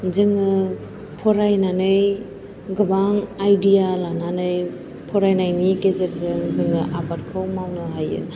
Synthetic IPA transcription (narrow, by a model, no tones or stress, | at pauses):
zɯŋɯ | pʰɔɾajnanɯj | ɡɯbaŋajdialananɯj | pʰɔɾajnajniɡezeɾzɯŋzɯŋɯʔabat̚kʰɯwmawnɯɦajɯ̰n